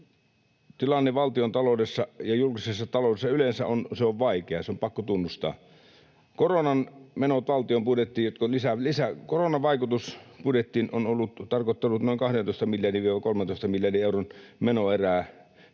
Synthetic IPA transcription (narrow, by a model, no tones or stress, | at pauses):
t̪ilɑnːeʋɑlt̪iont̪ɑlodesːɑjɑjulkisesːɑt̪ɑloˑdesːɑylensæ̰ʔonseoʋʋɑikeɑseompɑkːot̪unːust̪ɑ̰ː | koronɑnmenot̪ʋɑlt̪iompudet̪ːiːjjot̪kolisælisækoronɑʋɑikut̪uspudet̪ːiːnonolːut̪t̪ɑrkot̪ːelut̪noˑiŋkɑhdent̪oˑist̪ɑmiljɑdiʋʋieʋækolment̪oˑest̪ɑmiljɑdieuronmenoeræː